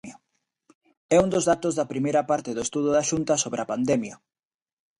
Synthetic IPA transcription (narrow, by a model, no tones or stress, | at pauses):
ɐ | ɛund̪ozðat̪ozðɐpɾimejɾɐpaɾt̪ɪðoest̪uð̞ʊðɐʃunt̪ɐsoβɾɪɐpand̪ɛmjɐ